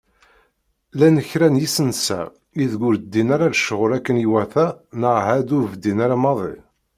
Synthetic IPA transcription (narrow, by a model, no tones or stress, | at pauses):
lænəçɾænjisənsæ̰ | iðɡʊɾd̪ːinaɾaɾʃəʁʊɾækːənjiwæθænəʁhæd̪uvəd̪ːinaɾamɑðˤḭ